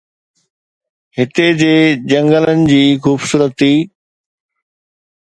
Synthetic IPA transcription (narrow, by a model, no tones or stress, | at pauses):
hɪt̪ed͡ʑeːd͡ʑɐ̃ŋɡələnɪ̆d͡ʑiːxuːbsuːɾət̪ʰːiː